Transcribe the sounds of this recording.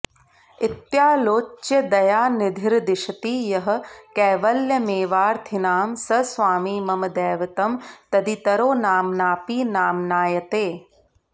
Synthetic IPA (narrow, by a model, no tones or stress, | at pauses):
ɪt̪jaːloːt͡ʃːjɐd̪ɐjaːnɪd̪ʱɪɾd̪ɪʃɐt̪iːjɐɦɐ̆kɛːʋɐljɐmeːʋaːɾt̪ʰinaːmsɐsʋaːmiːmɐmɐd̪ɛːʋɐt̪ɐmt̪ɐd̪it̪ɐɾoːnaːmnaːpiːnaːmnaːjɐt̪eː